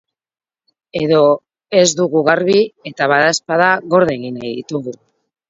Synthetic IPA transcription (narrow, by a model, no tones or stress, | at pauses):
eðo̞ | e̞zd̪uɣuɣaɾβie̞t̪aβaðaspaðaɣo̞ɾð̞e̞ɣinajðḭt̪uɣu